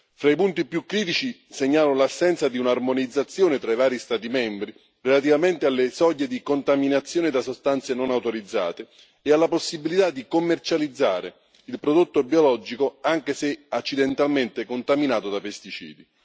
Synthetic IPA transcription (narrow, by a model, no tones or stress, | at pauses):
fɾaipunt̪ipjukːɾiːt̪it͡ʃi | seɲːaːlolasːɛnt̪sad̪iunarmonid̪zːat̪sːjoːnet̪ɾaivaːɾist̪aːt̪̬imɛmbɾi | relat̪̬ivament̪ealːesɔɟːed̪ikont̪aminat̪sːjoːnɪd̪asost̪ant̪senonawt̪oɾid̪zːa̰ːt̪eː | alːaposːibilit̪ad̪ːikomːert͡ʃalid̪zːaːɾe | ilpɾod̪ot̪ːobiolɔd͡ʒikoaŋk̟eseat͡ʃːid̪ent̪alment̪ɪkont̪aminaːt̪od̪apest̪it͡ʃḭːd̪i